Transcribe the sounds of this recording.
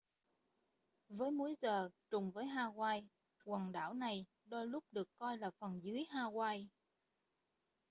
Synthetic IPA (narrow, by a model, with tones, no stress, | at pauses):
vəː˨˦jmu˨˦jzəː˨˩t͡ɕʊ˨˩ŋ͡mvəː˨˦jɦaː˧ɣwaː˧j | kwə˨˩nɗa̰ː˧˥˩wna˨˩j | ɗɔ˧jlʊ˦˥p̚ɗɨ˨˩əkːɔ˧jlaː˨˩fə˨˩nzɨ˨˦jɦaː˧ɣwaː˧j